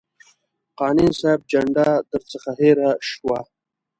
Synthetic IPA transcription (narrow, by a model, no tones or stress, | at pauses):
qɑːninsab̚d͡ʒaɳɖad̪əɾt͡səxaɦeːɾaʃwa̰